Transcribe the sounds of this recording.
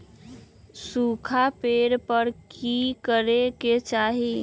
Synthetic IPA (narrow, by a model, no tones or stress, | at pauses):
sukʰapeɾpəɾkikəɾeket͡ʃaɦi